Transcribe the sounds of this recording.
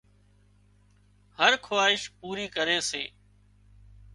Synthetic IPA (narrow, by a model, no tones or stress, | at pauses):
həɾkʰoaːɪʃpuːɾiːkəɾẽːsḛː